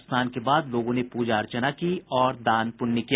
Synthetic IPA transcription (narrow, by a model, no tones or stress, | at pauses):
st̪ʰaːnkebaːd̪loːɡõnepuːd͡ʒaːɾt͡ʃənakiɔːɾd̪aːnpʊnːiki